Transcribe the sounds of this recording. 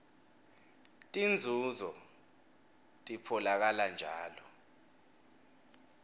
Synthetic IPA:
tʼind͡zʱuzɔ | tʼipʰɔlak̬aland͡ʒʱaːlɔ

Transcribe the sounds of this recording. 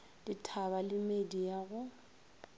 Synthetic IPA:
ditʰabalɪmedijaɣʊ

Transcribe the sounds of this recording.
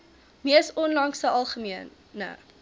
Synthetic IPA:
miəsɔnlɐŋsəɐlˠχəmiənːə̰

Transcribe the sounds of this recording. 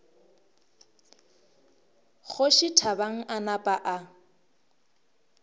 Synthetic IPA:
ɣʊʃɪtʰabaŋ̩ʔanapʼaʔa

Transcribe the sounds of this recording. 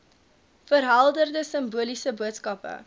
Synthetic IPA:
fərɦɐlˠdərdəsəmbuəlisəbuətskɐpə̰

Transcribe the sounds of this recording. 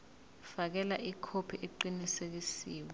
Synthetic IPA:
fak̬ɛlaʔikʰopʰiʔeǃinisek̬isiːwɔ

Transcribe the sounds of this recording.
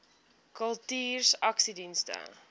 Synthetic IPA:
kəlˠtiːrsɐksidinstə̰

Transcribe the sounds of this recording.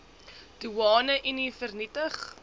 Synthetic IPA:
d̥uɑːnəʔinifərnitəχ

